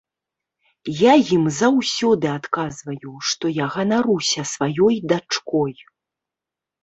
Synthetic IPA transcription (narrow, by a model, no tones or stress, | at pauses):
jajimzawsʲɔd̪ɨat̪kazvɐjuʂt̪ɔjaɣɐnaɾusʲɐsvajɔjd̪at͡ʂkɔj